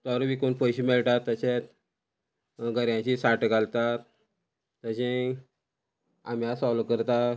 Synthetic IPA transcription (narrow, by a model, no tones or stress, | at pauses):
t̪ɔɾʋikonpəjɕimɛɭʈ̪at̪ːəɕet̪ | ɡəɾjãt͡ɕisaʈɡalt̪at | t̪əɕẽ | a̰mjasɔlokəɾt̪a